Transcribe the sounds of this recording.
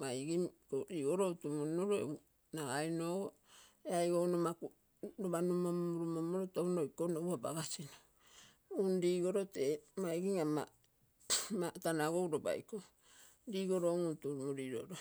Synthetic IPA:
majɡimkoɾiɡoɾoutumuinoɾoḛu | naajnoɡo | eajɡownomaku | ɾobanumomuɾumomoɾotownojkonowaba̰ɡasino̥ | unɾiɡoɾotemajɡiŋama̰ | matanaɡo̞wɾoba̰jko | ɾiɡoɾoŋutumuɾiɾo̰ɾo

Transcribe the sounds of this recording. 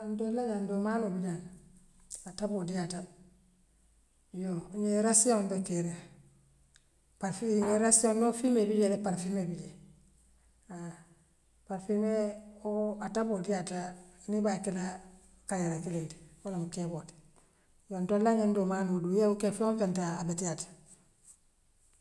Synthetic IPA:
ntolaɲandomanobiɲan | atabodijata | joɲeɾasjondokeɾe | paɾfɲeɾasjondofimebiɟelepaɾfimebiɟe | a | paɾfimeoataboːdijatanibakila | kajaɾakileti̥wolaŋukebot | jontolaɲendomanudujeukefokentaabetijatḁ

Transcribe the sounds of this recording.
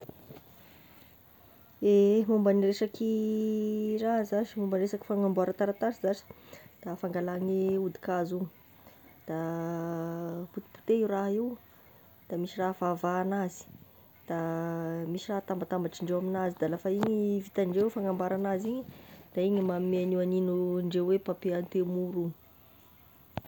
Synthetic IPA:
emumbanireʂaki | raɦzasimumbanesaki̥faŋambuaɾat̪aɾat̪asizasi̥d̪̥afaŋɡalaŋiud̪i̥kazu | d̪̥a | put̪i̥pu̥t̪eiraɦiw | d̪̥amisiraɦvavaːnazi̥ | d̪̥amisiraɦt̪ambat̪ambaʈ͡ʂiɳɖ͡ʐewaminazid̪alafaiɲivit̪aɳɖ͡ʐewfaŋambaɾanaziɲid̪̥aiɲimameanianinuɳɖ͡ʐewepapeant̪emuɾu

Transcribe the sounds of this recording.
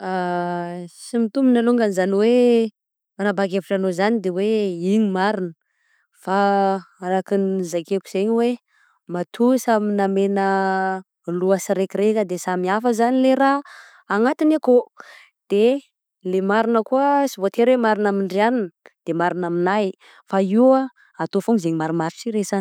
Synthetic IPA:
a | simit̪uminaluŋɡanzaniwe | anabakepuʈ͡ʂanozanid̪eweiɲimaɾinə | faaɾakinzakepuz̥eɲwe | mat̪ʰusaminamenə | luasiɾekirekəd̪esamiafəzanileɾaː | ŋat̪inako | d̪̥e | lemaɾinəkuəsivot̪ʰeɾwemaɾinamiɳɖ͡ʐianinəd̪̥emaɾinaminaj | faiwa | at̪ofuŋizeɲimaɾimaɾisiɾezan

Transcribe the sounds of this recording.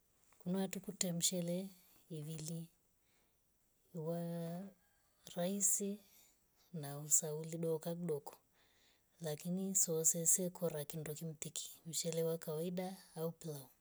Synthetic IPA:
kunawatukutɛm̩ʃɛlɛ | iβili | wa | ɾaisi | nausauliɗɔkakuɗɔkɔ̥ | lakinisɔsɛsɛkʰɔɾakindɔkim̩t̪ikʰi̥m̩ʃɛlɛwakawaiɗaːuplau

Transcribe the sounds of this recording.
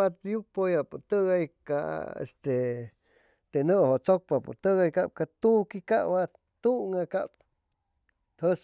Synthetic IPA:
at̪juk̚pojaput̪əɣajka̰ḛst̪e | t̪enəʔhoʔt͡sok̚papṵt̪əɣajkap̚kat̪ukikaʔwa | t̪uŋaka̰ʔp̚ | t̪həs

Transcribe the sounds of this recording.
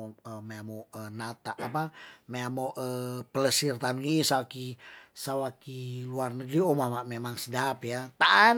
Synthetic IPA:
əmeamoənat̪aʔːpameamoʔəpələsirt̪anŋisawakisawakiluarnəɡɾiomamaʔmemaŋsədapjat̪aʔa

